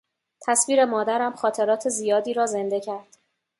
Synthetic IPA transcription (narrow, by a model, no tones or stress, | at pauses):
t̪ʰæsviːɾe̞mɒːd̪æɾæmxɒːt̪ʰe̞ɾɒːt̪ʰe̞zijɒːd̪iːɾɒːze̞nd̪e̞cʰæɾd̪̥